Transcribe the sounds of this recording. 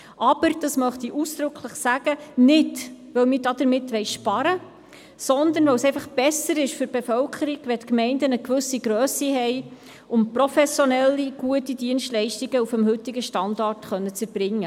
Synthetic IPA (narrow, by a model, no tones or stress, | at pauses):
ʔɑb̥əɾd̥ɑsmœχt̪iʔusd̥̪ɾɵkʰləχsæɡənɪdʋœwmɪːɾdɑd̥əɾmɪtʋɛɪʃpɑɾə | sɔnd̪ənʋœwsɛɪfɑχb̥ɛsəɾɪʃfʏɾb̥efœlkʰəɾiɡʋɛtkmɛɪndənəkʋɵsiɡɾøːsiɦɛɪ | ʊmprɔfɛsjɔnɛlːiɡ̥uətidiənʃtlɛɪʃtiɡəufəmhɵt̪iɡəʃtɑndɑrtχœnːət͡səɾb̥ɾɪŋːə